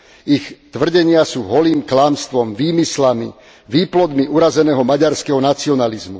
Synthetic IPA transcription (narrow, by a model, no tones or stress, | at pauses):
ixtt̪ʋr̩ɟɛɲɪasuːɦɔliːmklaːmst̪ʋɔmʋiːmislamḭ | ʋiːplɔd̪miʔuɾazɛnɛːɦɔmaɟaɾskɛɦɔnat͡siɔnalizmu